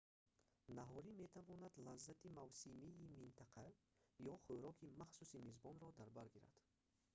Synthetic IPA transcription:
naɦɔɾime̞t̪ʰavɔnad̪lazːat̪ʰimavsimiːmint̪ʰaqʰa | jɔχɵɾɔkʰimaχsusimezbɔnɾɔd̪aɾbaɾɡiɾa̰d̪̥

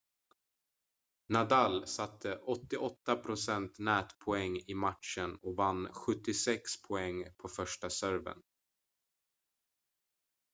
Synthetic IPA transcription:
nad̪alsat̪ʰːəʔɔt̪ːɪʔɔt̪ːapʰɾʊsɛnt̪nɛːt̪pʰɔɛŋːɪmat̪ʂənɔkvanːɧɵt̪ːɪsɛkspʰɔɛŋːpʰɔfœʂʈasœɾvə̰n

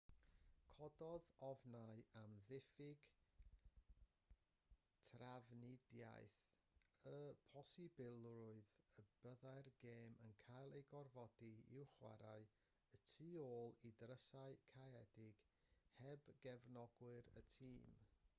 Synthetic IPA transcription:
kʰɔdɔðɔvnaɨamðɪfɪɡ | tʰravnɪdja̰jθ | əpʰɔsibɪlˠrʊɨðəb̥əðajrɡeːmənkʰajlˠejɡɔrvɔdiɪ̰wχwa̰ɾaɨ | ətʰiːoːlˠidrəsaɨkʰaɛdɪɡ̥ | hɛbɡɛvnɔɡwɨɾə̰tʰiːm

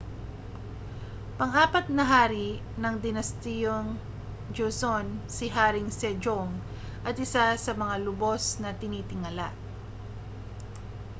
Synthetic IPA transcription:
pɐŋaːpɐt̪̚nɐɦaːɾi | nɐŋd̪ɪnɐst̪ijoŋ | d͡ʒosonsɪɦaːɾɪŋsɛd͡ʒoŋ | ʔɐt̪ʔɪsasɐmɐŋalʊbo̞snɐt̪ɪniːt̪ɪŋɐla̰ʔ

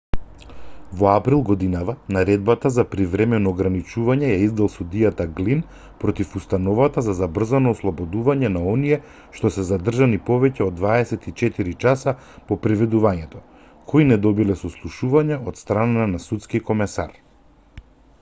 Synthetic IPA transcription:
vɔapɾilˠɡɔd̪inavanaɾɛd̪̚bat̪azapɾivɾɛmɛnɔːɡɾanit͡ʃuvaɲɛjaizd̪alˠsud̪ijat̪aɡlin | pɾɔt̪ifust̪anɔvat̪azazabr̩zanɔːslˠɔbɔd̪uvaɲɛnaɔnijɛ | ʃt̪ɔsɛzad̪r̩ʒanipɔvɛcɛod̪ːvaɛsɛt̪it͡ʃɛt̪iɾit͡ʃasa | pɔpɾivɛd̪uvaɲɛt̪ɔ | kʰoinɛd̪ɔbilɛsɔslˠuʃuvaɲaɔt̪st̪ɾananasut̪skikɔmɛsa̰ɾ

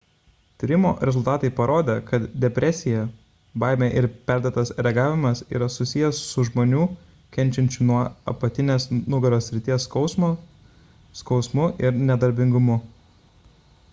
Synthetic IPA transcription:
t̪ʲɪɾʲɪmo̰ːɾʲɛzʊlˠt̪ɑːt̪ɐɪpɐɾoːd̪ʲeːkɐt̪d̪ʲɛpʲɾʲʔɛsʲɪjɛ | bɑˑɪmʲeːʔɪɾpʲæˑɾʲd̪ʲot̪ɐsɾʲɛɡɑːʋʲɪmɐsḭːɾɐsʊsʲɪjɛsːʊʒmoːnʲuː | kʲɛnʲt͡ʃʲɛnʲt͡ʃʲunuɔɐ̰pɐt̪ʲɪnʲeːsnʊɡɐɾʲoːsʲɾʲɪt̪ʲiɛs | skɒʊsmʊʔɪɾnʲɛd̪ɐɾʲbʲɪŋɡʊmʊ

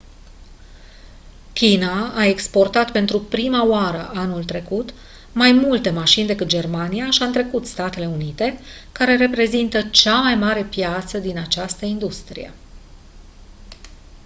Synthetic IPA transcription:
kʲinaːe̞kspo̞rt̪at̪pe̞nt̪ɾupɾimaoaɾəʔanult̪ɾe̞kut̪ | majmult̪e̞maʃind̪e̞kɨt̪̚d͡ʒe̞rmanijaʃiaɨnt̪ɾe̞kut̪st̪at̪e̞le̞unit̪e̞ | kaɾe̞ɾe̞pɾe̞zint̪ət͡ʃamajmaɾe̞pjat̪səd̪inat͡ʃast̪əind̪ust̪ɾḭjḛ

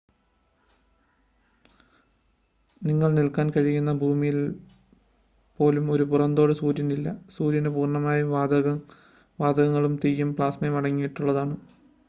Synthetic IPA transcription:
niŋːɐɭnilkaːnkɐɻijunːɐbʱuːmijil | po̞ːlumo̞ɾupurɐnd̪o̞ːɽɨsuːɾjɐnilːɐsuːɾjɐnepuːrɳɐmaːjuad̪ɐɣɐ | ʋaːd̪ɐɣɐŋːɐɭumt̪ijːumpɭaːsmɐjmɐɽɐŋːijiʈːuɭːɐðaːɳɨ

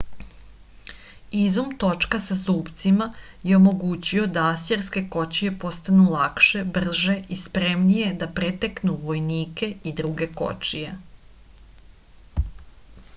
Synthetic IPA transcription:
izumt̪o̞t͡ʃkasazuːpt̪sima | jeomo̞ɡut͡ɕio̞d̪aaseɾske̞ko̞t͡ɕije̞po̞st̪anulˠakʃe̞br̩ʒe̞ʔispɾe̞mnije̞d̪apɾet̪eknuʋo̞jniːke̞id̪ɾuɡe̞ko̞̰t͡ʃije̞

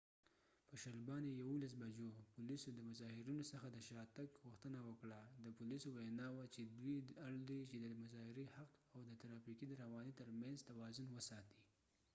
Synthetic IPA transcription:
pəʃalbɑnejawulas̬bad͡ʒopʊlisod̪əmʊzɑhɪɾinosəxad̪əʃɑt̪akɣuxt̪ənawəkɽad̪əpʊlisowajnɑwat͡ʃed̪wiaɽd̪et͡ʃed̪əmʊzɑhɪɾehaqawd̪ət̪aɾɑfikid̪əɾawɑnit̪əɾmanzt̪awɑzʊnwəsɑt̪i̥

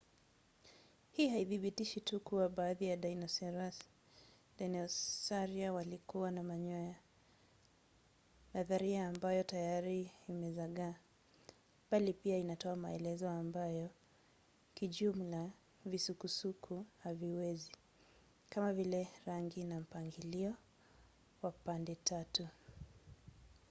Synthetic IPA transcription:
hiːhaiθiɓitiʃitukuwaɓaːðijaɗanɔs | danɔsaɾiawalikuwanamaɲɔja | naðaɾiaːmbajɔtajaɾiːmɛzaɠaː | b̥alipiainatɔama̰ɛlɛzɔambajɔ | kiʄum̩la | visukusukʰuhaviwɛzi | kamavilɛɾaŋɡinam̩paŋɡiliɔ | wapandɛtʰatu

